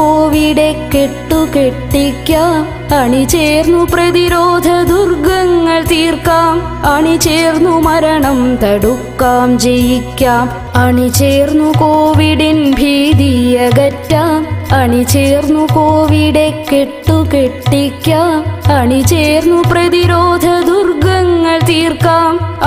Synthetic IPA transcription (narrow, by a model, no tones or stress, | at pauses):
oːʋiɽekeʈːukeʈːikʲːaːm | ɐɳit͡ɕeːrnːuprɐðiɾoːd̪ʱɐd̪urɡɐŋːɐɭt̪iːrkaːm | ɐɳit͡ɕeːrnːumɐɾɐɳɐmt̪ɐɽukːaːmd͡ʑejikʲːaːm | ɐɳit͡ɕeːɾnukoːʋiɖinbʱiːd̪ijɐɡɐtːaːmɐɳit͡ʃeːɾnukoːʋiɖekeʈːukeʈːikːjaːmɐɳit͡ɕeːɾnupɾɐd̪iɾoːd̪ʱɐd̪urɡɐŋːɐɭt̪iːrkaːm